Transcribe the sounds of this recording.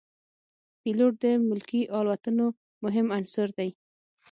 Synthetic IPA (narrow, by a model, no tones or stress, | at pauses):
piloʈ̚d̪əmʊlkiʔɑlwat̪əno | mʊɦɪmansʊɾd̪aj